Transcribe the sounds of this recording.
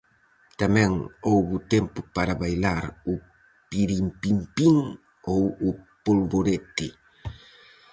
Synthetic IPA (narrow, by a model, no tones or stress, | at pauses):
t̪amɛ̃ŋowβʊt̪ɛmpʊpaɾaβajlaɾʊ | piɾimpimpiŋ | owʊpolβoɾet̪ɪ